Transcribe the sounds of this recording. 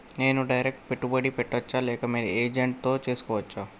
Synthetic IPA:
ne̞ːnuɖɐjɾek̚ʈpeʈːubɐɽipeʈːɐt͡ʃːaːlɛːkɐmeːɾieːd͡ʒeɳʈ̚t̪o̞ːt͡ʃe̞ːsu̥kɔːʋɐt͡ʃːaː

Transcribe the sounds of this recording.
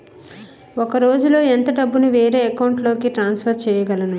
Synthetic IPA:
okɐɾo̞ːd͡ʒulo̞ːent̪ɐɖɐbːunuʋeːɾe̞ːɐkɐwɳʈlo̞ːkiʈɾaːnspʰɐɾt͡ʃɛːjɐɡɐlɐnu

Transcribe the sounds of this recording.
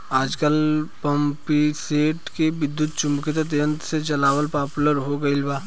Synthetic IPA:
aːd͡ʒkəlpɐmpiseːʈkeʋɪd̪ːjʊt̪t͡ʃʊmkɪt̪ət̪̬jə̃nt̪set͡ʃɐlaːwəlpaːpʊləɾɦoɡɐɪlbaː

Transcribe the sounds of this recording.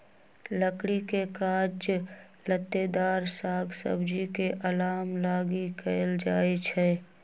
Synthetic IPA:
ləkɽikekaːd͡ʒ | lət̪ːed̪aːɾsaːɡsə̰bd͡ʒikeʔəlaːmlaːɡikʰəld͡ʒaːet͡ʃʰɛ

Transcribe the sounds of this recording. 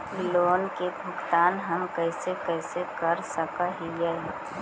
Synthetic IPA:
loːnkebʱʊɡt̪aːnɦəmkɛɪsekɛːsekəɾsəkaɦijɛ

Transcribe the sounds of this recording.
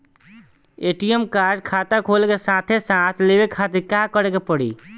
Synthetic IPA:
eʈijəmkaɾɖ̚kʰat̪akʰolkesat̪ʰesat̪ʰlebekʰat̪iɾkakəɾekepəɽḭ

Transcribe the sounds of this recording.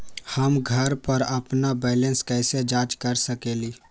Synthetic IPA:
həmɡʱəɾpəɾɐpnabɛːlẽnskɛɪsed͡ʒaːt͡ʃkəɾsəkeːliː

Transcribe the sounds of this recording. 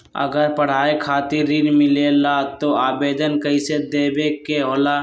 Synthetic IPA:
ə̰ɡəɾpəɽ̤aːekʰaːt̪iɾinmɪlelaːt̪oaːbeːd̪ənkəised̪eːbeːkeɦoːlaː

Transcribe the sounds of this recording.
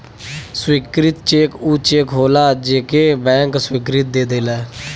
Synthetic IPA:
swiːkɾɪt̪t͡ʃeːkuːt͡ʃeːkɦoːlaːd͡ʒeːkeːbɛ̃ːŋkswiːkɾɪt̪̚d̪eːd̪eːlɛː

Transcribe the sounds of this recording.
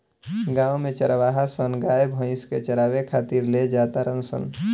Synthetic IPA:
ɡãːwmet͡ʃəɾʋaːɦasənɡaebʱə̃ɪ̃sket͡ʃəɾaːwekʰaːt̪iɾled͡ʒat̪aɾənsə̰n

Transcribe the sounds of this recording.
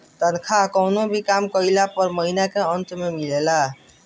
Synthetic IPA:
t̪ənkʰakəwnobʱikamkəilapəɾməɦinakeənt̪memilela

